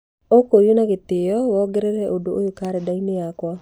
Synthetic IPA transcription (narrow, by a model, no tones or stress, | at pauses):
okojonaɣet̪ɪjɔwɔɡɛɾɛɾɛʔodoʔojokaɾɛdaineakwa